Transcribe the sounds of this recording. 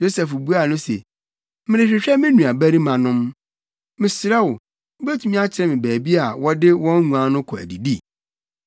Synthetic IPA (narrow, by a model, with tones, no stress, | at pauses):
jo˦sɛ˨fbu˦a˨nʊ̃˦sḛ˨ | mɪ̃˨ɾɪ̃˨ɕᶣɪ˨ɕᶣɛ˦mɪ̃˦nũ˨a˨bæ˦ɾi˦mã˨nʊ̃˦m | mɪ̃˨sɪ˨ɾɛ˦wʊ˨˦ | bæ˦tʰu˨mĩ˦a˦t͡ɕʰɪ˨ɾɛ˦mɪ̃˨bæː˨bi˦a˨wɔ˦dɪ˦wɔ̃˦n˦ɲũ˨ã˨˦nʊ̃˦kʰɔ˨æ̰˨di˨di˦